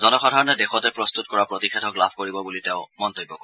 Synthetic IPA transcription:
zɔnɔxɔdʱaɹɔnɛdexɔtɛpɹɔstut̚kɔɹapɹotixɛtʰɔklabʰʱkoɹibɔbuliteʊ̃mɔntojbːɔkɔɹ

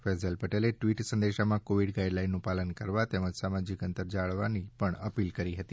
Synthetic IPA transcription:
fɛzəlpəʈeleʈʋiʈsə̃nd̪eʃamãkoʋiɽɡaiɖlainːũpalənkəɾʋat̪eməd͡ʒsamad͡ʒikənt̪əɾd͡ʒaɭʋanipəɳəpilkəɾiɦət̪i

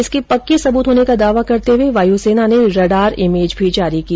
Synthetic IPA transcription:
ɪskipɐkːisɐbuːt̪ɦoːnekad̪aːʋakɐɾt̪eɦweʋaːjuseːnaneɾɐɖaːɾɪmeːd͡ʒbʱid͡ʒaːɾikia

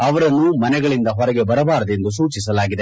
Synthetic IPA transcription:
ɐʋɐɾɐnːumɐnɛɡɐɭind̪ɐɦɔɾɐɡebɐɾɐbaːɾɐd̪e̞nd̪us̬uːt͡ʃis̬ɐlaːɡid̪e

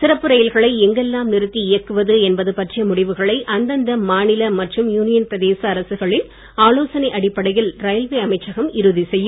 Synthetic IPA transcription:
sɪɾɐpːɯɾɐjɪlɣɐɭɐɪɛŋɡɛlːaːmnɪɾɯt̪ːiɪjɐkːɯʋɐðɯɛnbɐðɯpɐʈrɪjɐmʊɽɪʋɯɣɐɭɐɪʔɐnd̪ɐnd̪ɐmaːnɪlɐmɐʈrɯmjuːnɪjɐnpɾɐðeːsɐːɾɐsɯɣɐɭɪn | aːloːsɐnɐɪʔɐɽɪpːɐɽɐjɪlɾɐjɐlʋeːɐmɐɪt͡ʃːɐɣɐmɪɾɯðisɛjːɯm

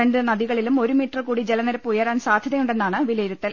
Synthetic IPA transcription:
eɳɖɨnɐðiɣɐɭilumo̞ɾumiːʈːrkuːɽid͡ʑelɐneɾɐpːujɐraːnsaːd̪ʱjɐðɐjuɳɖe̞nːaːɳɨʋilɐjɾut̪ːɐl

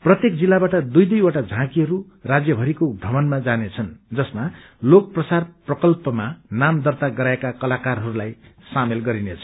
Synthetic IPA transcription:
prʌt̪jek̚d͡zilːabaʈʌd̪ujd̪ujoʈad͡zʱãkiɦʌɾu | rad͡zjʌbʱʌɾikoɡʱʌmʌnmad͡zanet͡sʰʌnd͡zʌsma | lokʌprʌsarprʌkʌlpʌmanamd̪ʌrt̪aɡʌɾaekakʌlakarɦʌɾulajsamelɡʌɾinet͡sʰʌ̥

